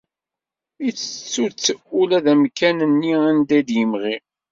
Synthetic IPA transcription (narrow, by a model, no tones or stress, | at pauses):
it͡sːət͡sːut͡sːəulæðæmkænənːiænd̪æd̪jəmʁi